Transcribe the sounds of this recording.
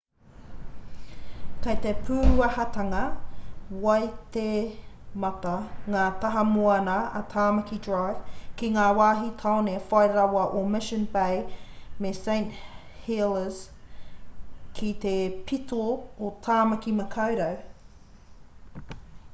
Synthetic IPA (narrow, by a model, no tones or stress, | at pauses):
kɐjt̪epʰʉːɾuɐhɐtɐŋɐ | wɐjt̪emɐt̪ɐŋaːt̪ɐɦɐmuɐnɐɐ̰t̪ʰaːmɐkidɹajv̥kiŋaːwaːɦit̪ʰawnefajɾɐwɐʔomɪʃənbejmesẽj̃nt | heləz̥ | kʰit̪epʰitʰoot̪ʰaːmɐkimɐkʰɐwɾɐw